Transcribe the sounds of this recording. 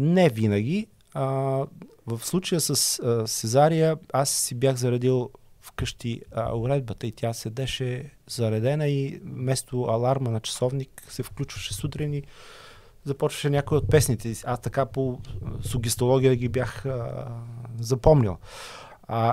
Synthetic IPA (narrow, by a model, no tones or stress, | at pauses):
nɛvinəɡ̟ʲi | ə | vəfslˠut͡ʃəjəsəsɛzaɾijəasːibjaxzɐɾɐd̪ilˠfkɤʃt̪ḭʊɾɛd̪̚bət̪əit̪ʲjasɛd̪ɛʃɛ | zɐɾɐd̪ɛnəimɛst̪oɐlˠaɾmənɐt͡ʃɐ̥sɔvniksɛfklʲut͡ʃvəʃɛ̥sut̪ɾini | zɐpɔt͡ʃvə̥ʃɛnʲakoiot̪̚pɛsnit̪ɛast̪ɐkaposʊɡʲist̪olˠɔɡʲijəɡʲibjaxə | zɐpɔmnʲḭlˠ